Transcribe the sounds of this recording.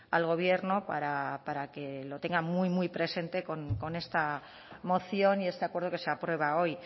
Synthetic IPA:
alɣ̞o̞β̞je̞ɾnopa̰ɾapaɾake̞lo̞t̪e̞ŋɡamujmujpɾe̞se̞nt̪e̞ko̞nko̞ne̞st̪a | mo̞θjo̞nie̞st̪eakwe̞ɾð̞oke̞seapɾwe̞β̞ao̞j

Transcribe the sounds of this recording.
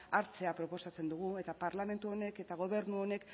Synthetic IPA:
aɾt͡se̞apɾo̞po̞sat͡se̞nd̪uɣ̞ue̞t̪apaɾlame̞nt̪uo̞ne̞ke̞t̪aɣ̞o̞β̞e̞ɾnuo̞ne̞k

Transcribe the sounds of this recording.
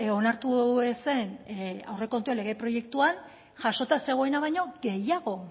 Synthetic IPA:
onaɾt̪uese̞nawre̞ko̞nt̪uenle̞ɣ̞epɾo̞je̞kt̪uan | ʝaʃo̞t̪ase̞ɣ̞o̞e̞naβajɲo̞ɡe̞jaɣ̞o̞

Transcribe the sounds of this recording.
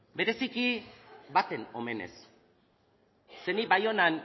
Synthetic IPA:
be̞ɾe̞sikibat̪e̞no̞me̞ne̞̰s | e̞niβajo̞nan

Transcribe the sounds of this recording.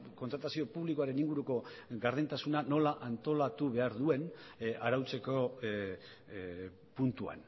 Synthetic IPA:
ko̞nt̪ɾat̪asio̞puβlikoaɾe̞niŋɡuɾuko̞ɡaɾðent̪asunano̞laʔant̪o̞lat̪uβe̞aɾðue̞naɾawt͡se̞ko̞ | punt̪ua̰n

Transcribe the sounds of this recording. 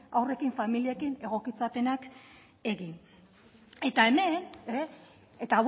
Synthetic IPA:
awre̞kiɱfamiliekine̞ɣ̞o̞kit͡sape̞nak | e̞ɣin | e̞t̪ae̞me̞ne | et̪aw

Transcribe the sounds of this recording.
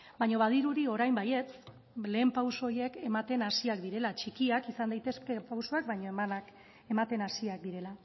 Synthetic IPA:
bajɲo̞βað̞iɾuɾio̞ɾajmbaje̞t͡s | le̞ːmpawsooje̞ke̞mat̪e̞nasiakd̪iɾe̞lat͡ʃikiakisand̪ajt̪e̞ske̞pawsoakbajɲo̞emanak | e̞mat̪e̞nasiak̚d̪iɾe̞la

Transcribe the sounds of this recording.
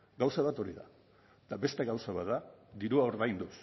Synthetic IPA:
ɡawsaβat̪o̞ɾiða̰ | t̪aβe̞st̪e̞ɣawsaβat̪̚d̪ad̪iɾuao̞ɾðajnd̪us

